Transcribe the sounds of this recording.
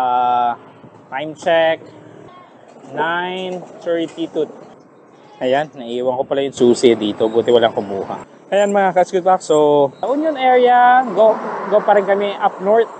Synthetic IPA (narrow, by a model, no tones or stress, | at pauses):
ʔa | t̪ajmt͡ʃɛk̚ | najnt͡ʃɔɹipit̪ʊt̪̚ | ʔɐjanːɐʔiːwɐŋkopɐlajʊŋsuːsɪd̪iːt̪o̞buːt̪ɛwɐlaŋkʊmuːhɐ̰ | ʔɐjanmɐakɐsɡʊd̪̚baksoʔʊnjonɛɹɪjɐɡoɡopɐɾɪnkɐmɛʔɐp̚noɹt̪̚